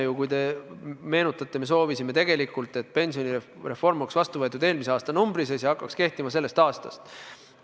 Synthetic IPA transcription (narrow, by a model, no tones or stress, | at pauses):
jukujt̪e̞me̞ːnut̪ːˑɑt̪ːˑe̞me̞s̬o̞ːvisime̞t̪e̞ɡ̥e̞likːˑult̪ːˑe̞t̪̚ːˑpe̞nsioni | re̞fo̞rmoksvɑst̪uvɤt̪ːˑud̪e̞ːlmiseɑːst̪ɑnumbɾisesjɑhɑkːˑɑkske̞ht̪imɑse̞lːe̞st̪ɑːst̪ɑ̰st̪